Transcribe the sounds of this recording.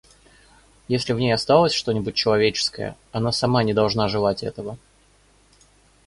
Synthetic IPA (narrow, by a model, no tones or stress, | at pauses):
jesʲlʲɪvnʲejɐst̪alˠəsʲʂt̪o̞nʲɪbʊt̚ʲt͡ɕːɪlˠɐvʲet͡ɕɪ̥skə̰jə̰ | ɐnasɐmanʲɪd̪ɐlˠʐnaʐɨlˠatʲɛt̪əvə